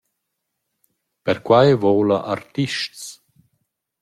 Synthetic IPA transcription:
pɛɾkwajvɔːlaʔart̪iʃts

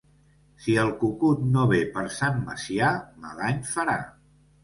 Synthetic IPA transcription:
siəlˠkukut̪̚noβ̞epəɾsamːə̰siama̰laɲfəɾa

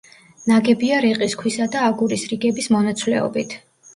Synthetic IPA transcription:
naɡɛbiaɾɛqʼiskʰwisad̪aːɡuɾisɾiɡɛbismɔnat̪sʰwlɛ̰ɔ̰bit̪ʰ

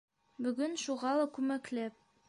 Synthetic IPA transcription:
bɵ̆ɡɵnʃuʁɑlˠɑkʉmæklæp̚

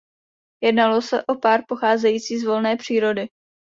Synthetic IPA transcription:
jɛdnalo̞sɛʔo̞paːɾpo̞xaːzɛjiːt͡siːzvo̞lnɛːpr̝̥iːɾo̞dɪ

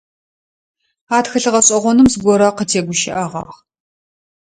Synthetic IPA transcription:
aːtxɨɬɨʁɐɕʼɐʁʷɔnɨmzɡʷɔɾɐqətʰeːɡʷʊʃɪ̰ʔɐʁɑ̰ːχ

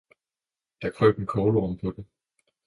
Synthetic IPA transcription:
d̥ɑ̈kʰʁø̰ːd̥en̩kʰɒːlɒmpʰɒ̽d̥e

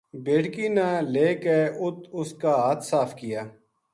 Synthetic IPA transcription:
beːʈkiːnaleːkeːʔʊt̪ʊskaːɦat̪ʰsaːfʰkɪjaː

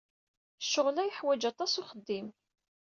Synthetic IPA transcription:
ʃːʊʁlæjəħwæd͡ʒɑt̪ˤɑsʊχəd̪ːim

